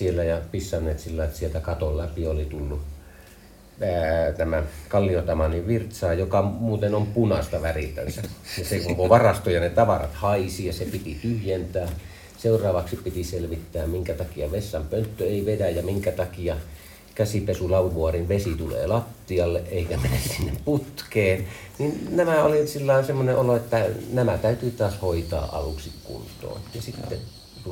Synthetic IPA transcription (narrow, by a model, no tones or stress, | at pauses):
sielːæjɑpisːɑnːeːt̪silːɑˑit̪sielt̪ækɑt̪olæpiolit̪ulːu | t̪æmækɑlːiot̪ɑmɑniʋʋirt̪sɑːjokɑmuːt̪enompunɑst̪ɑʋærit̪ːæ̰nsæjɑsekokoʋɑrɑst̪ojɑnet̪ɑʋɑrɑ̰t̪hɑisijɑsepit̪it̪yhjent̪æː | seurˑɑːʋɑksippit̪iselʋit̪ːæːmmiŋkæt̪ɑkiɑʋesːɑmpønt̪ːøeˑiʋedæjjɑmiŋkæt̪ɑkiɑ | kæsipesulɑuʋuɑrinʋesit̪ulḛːlɑt̪ːiɑlːeʔʔeikæmenːæssinːepput̪keːn | ninnæmæolisilːɑˑensemːoneʔʔoloet̪ːænæmæt̪æyt̪yːt̪ɑːshoit̪ɑ̰ːʔʔɑ̰lṵksikkṵnt̪ˑo̰ːnjɑsit̪ːḛ | t̪u